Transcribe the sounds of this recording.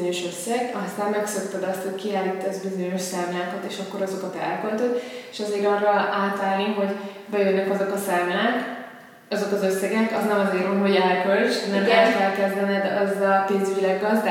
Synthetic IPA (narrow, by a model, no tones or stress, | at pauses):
oɲo̞ʃøsːɛɡɒst̪aːmːɛksøkt̪ɛd̪ɒst̪ho̞ckiaːlːiːt̪ːɛzbizo̞ɲo̞ʃsaːmlaːkɒt̪eːʃɒkːo̞ɾɒzo̞kɒt̪ɛ̰lkølt̪ot̪eʃɒzeːɾɒːrːɒʔaːt̪aːlniɦo̞ɟ | bɛjønːɛkɒzo̞kɒsaːmlaːk | ɒzo̞kɒzøsːɛɡɛkɒznɛmɒzeːɾomɦo̞ɟɛlkølt͡ʃnɛmlɛɦɛt̪fɛlkɛzd̪ɛnɛd̪ɛzɒpeːnzyɟilɛɡːɒzd̪